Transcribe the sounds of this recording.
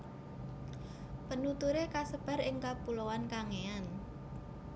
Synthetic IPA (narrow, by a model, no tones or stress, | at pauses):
pənut̪uɾekasəb̥a̤ɾɪŋkapulowankaŋean